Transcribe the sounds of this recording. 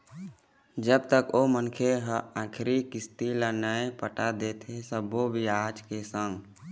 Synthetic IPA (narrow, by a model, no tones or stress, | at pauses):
d͡ʒəbt̪əkoːmənkʰeɦãːkʰɾikɪst̪ilanaːepəʈad̪et̪ʰesəbobʱiaːd͡ʒkesə̃ŋɡ